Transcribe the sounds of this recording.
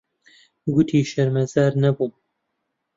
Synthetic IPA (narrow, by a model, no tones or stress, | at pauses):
ɡʊt̪ʰiːʃɐɾmɛzaːɾnɐbuː